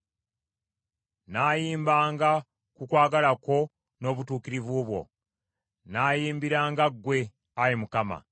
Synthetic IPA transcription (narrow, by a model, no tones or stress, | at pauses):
naːjiːmbaːŋɡa | kukwaːɡalako̞ | no̞ːβutuːkiɾivuβwo̞̰ | naːjiːmbiɾaːŋɡaɡːwe̞ | ajemukama̰